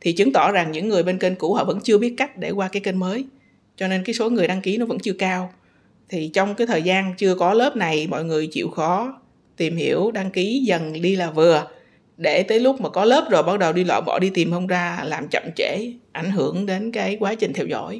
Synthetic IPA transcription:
t̪ʰi˨˩t͡ɕɨ˨˦ŋt̪ɔ˧˩za˨˩ŋɲɨ̰˧˥ŋːɨ˨˩əjɓe˧nke˧nku˧˩hɔ̰˧˨və̰˧˥nt͡ɕɨ˧əɓi˦˥ət̚ka˦˥jk̟̚ɗe˧˩kwaː˧kaː˨˦jke˧nməː˨˦j | t͡ɕɔ˧ne˧nkaː˨˦jso˨˦ŋɨ˨˩əjɗa˧ŋki˨˦nɔ˨˦və̰˧˥nt͡ɕɨ˧əkaː˧w | t̪ʰi˨˩t͡ɕɔ˧wŋ͡mkaː˨˦jt̪ʰəː˨˩jzaː˧nt͡ɕɨ˧əkɔ˨˦ləː˦˥p̚na˨˩jmɔ̰˧˨jŋɨ˨˩əjt͡ɕḭ˧˨wxɔ˨˦ | t̪i˨˩mhi˧˩əwɗa˧ŋki˨˦zə˨˩nɗi˧laː˨˩vɨ˨˩ə | ɗe˧˩t̪əː˨˦jlʊ˦˥k͡p̚maː˨˩kɔ˨˦ləː˦˥p̚zo˨˩jɓaː˧˩t̚ɗə˨˩wɗi˧lwa̰ː˧˨jɓɔ̰˧˨˩ɗi˧t̪i˨˩mhə˧wŋ͡mzaː˧laː˨˩mt͡ɕə̰˧˨mt͡ɕe˧˩˨ʔa˧˩jŋ̟ɦɨ˧˩əŋɗe˨˦nkaː˨˦jkwaː˨˦t͡ɕï̟˨˩t̪ʰɛ˧wzɔ̰˧˥˨j

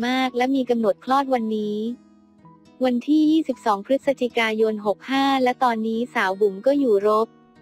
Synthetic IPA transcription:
maː˥˩k̚lɛ˦˥miː˧ka˧mno˨˩t̪̚kʰlɔː˥˩t̪̚wa˧nːiː˦˥ | wa˧nt̪ʰiː˥˩jiː˥˩si˨˩p̚sɔː˩˦ŋpʰɾɯ˦˥t̪̚sa˧t͡ɕi˨˩kaː˧jo˧nɦo˨˩k̚haː˥˩lɛ˦˥wt̪ɔː˧nːiː˦˥saː˩˦wbu˨˩˦mkɔː˥˩juː˨˩ɾo˦˥p̚

